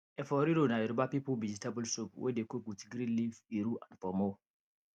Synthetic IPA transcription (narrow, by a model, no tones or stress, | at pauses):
ɛfɔɾiɾonaeɾubapipovid͡ʒitabɔlsupwʔḛdekoɡutɡɾĩnliviɾuʔãnfɔmɔ